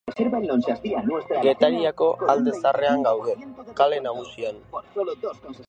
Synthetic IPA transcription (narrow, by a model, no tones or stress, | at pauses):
seɾβalonsaspianest̪ɡe̞t̪aɾiako̞ald̪e̞sare̞aŋɡawðe̞kale̞naɣusian